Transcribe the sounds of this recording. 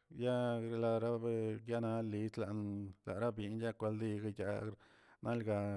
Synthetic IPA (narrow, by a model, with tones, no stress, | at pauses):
ja˦ɾe˧la˧˨ɾa˦be˦ɡja˦na˧li˨˦t͡sla˨ʔnla̰˨ɾa˦bji˧nja˦kʷa˧ld̪i˧ɡa˧ja˧ | na˦lɡa˧